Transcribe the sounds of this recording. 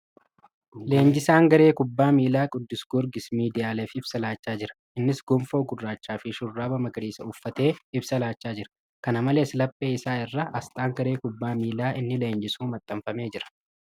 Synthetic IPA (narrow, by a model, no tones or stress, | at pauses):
le̞ːɲd͡ʒɪsaːŋɡɐɾeːkʊbːaːmiːlaːkʼʊd̪ːɪsɡ̥ʊɾɡɪsmiːd̪ɪjaːleːfɪbsɐlaːt͡ʃːaːd͡ʒɪɾɐ̥ | ɪnːɪsɡʊmfo̞ːɡʊrːaːt͡ʃːaːfɪʃʊrːaːbɐmɐɡɐɾiːsɐʊfːɐt̪e̞ːɪbsɐlaːt͡ʃːaːd͡ʒɪɾɐ̥ | kɐnɐmɐle̞ːslɐpʼːe̞ːɪsaːɪrːɐʔɐst̪ʼaːŋɡɐɾe̞ːkʊbːaːmiːlaːɪnːɪle̞ːnd͡ʒɪsuːmɐt̪ʼːɐmfɐme̞ːd͡ʒɪɾɐ̥